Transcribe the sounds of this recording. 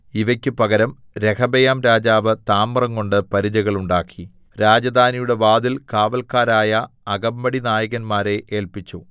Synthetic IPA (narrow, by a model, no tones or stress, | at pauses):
iʋɐkʲːɨpɐɣɐɾɐm | ɾe̞kʰɐbɐjaːmɾaːd͡ʑaːʋɨt̪aːmːɐrɐŋko̞ɳɖɨpɐɾid͡ʑɐɣɐɭuɳɖaːkʰːi | ɾaːd͡ʑɐd̪ʱaːnijuɽe̞ʋaːd̪ilkaːʋɐlkaːɾaːjɐɐɡɐmbɐɽinaːjɐɣɐnmaːɾe̞ʔeːlpit͡ɕːu